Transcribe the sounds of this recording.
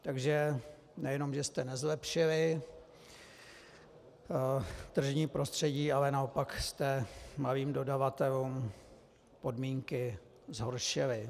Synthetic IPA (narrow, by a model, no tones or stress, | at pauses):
t̪aɡʒɛ | nɛjɛno̞mʒɛst̪ɛnɛzlɛpʃɪlɪ | t̪r̩ʒɲiːpɾo̞st̪r̝̥ɛɟiːalɛnao̞pakst̪ɛmaliːmdo̞davat̪ɛluːm | po̞dmiːŋkɪ | zɦoɾʃɪlɪ